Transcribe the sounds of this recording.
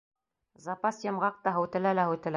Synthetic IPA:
zɑpɑsjɤ̆mʁɑq̚t̪ɑɦŏwt̪ɘ̆lælæɦɘwt̪ɘ̆læ

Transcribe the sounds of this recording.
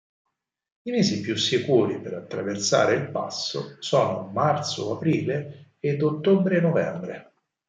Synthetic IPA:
imeːzipjusikuːɾipeɾat̪ːɾaversa̰ːɾeilpa̰sːo̰sɔːnomart̪so̰apɾiːle | ed̪ot̪ːobɾenːovɛmbɾe

